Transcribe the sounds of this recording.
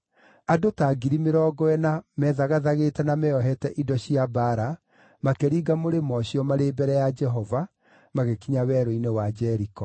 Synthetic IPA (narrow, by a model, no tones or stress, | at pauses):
adotaːɡiɾimeɾɔːɡɔɛnamɛðaɣaðaɣetɛnamɛɔɦɛtɛʔidɔɕiabaːɾa | makeɾiːɡamoɾemɔɕiɔmaɾebɛɾɛjad͡ʒɛɦɔva | maɣekiɲawɛɾoinewad͡ʒɛɾikɔ